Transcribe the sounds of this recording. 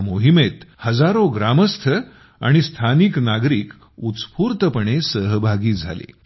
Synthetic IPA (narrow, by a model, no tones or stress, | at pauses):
moɦimet̪həd͡zaɾoɡɾaməst̪ʰə | a̰ɽ̃ist̪ʰaniknaɡɾiːk | ut̪t͡spuːɾt̪əpəɳesəɦbʱaɡiːd͡zʱa̰lḛ